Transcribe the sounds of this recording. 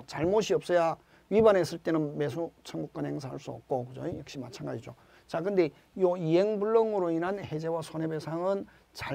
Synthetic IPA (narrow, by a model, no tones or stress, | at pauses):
t͡ɕaɭmoɕʰiʌp̚s͈ʌja | ɥibanes͈ɯɭt͈e̞nɯnme̞sʰut͡ɕʰaŋɡuk͈anhe̞ŋs̬ʰaɦaɭs͈uʌ̰p̚k͈okɯd͡ʑojʌk̚ɕ͈imat͡ɕʰanɡad͡ʑid͡ʑo | t͡ɕakɯnde̞ | joiɦe̞ŋbuɭːʌŋɯɾoinɦanhe̞d͡ʑe̞wasʰonebesʰaŋɯn | t͡ɕa